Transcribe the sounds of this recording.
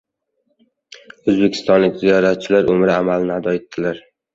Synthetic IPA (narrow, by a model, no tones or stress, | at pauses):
ɵzbekʲʰɪ̥st̪ɒnlɪkʲzijɒɾat̪̚t͡ʃʰɪlaɾʔɵmɾɪamalnɪad̪ɒet̪ʰːɪlaɾ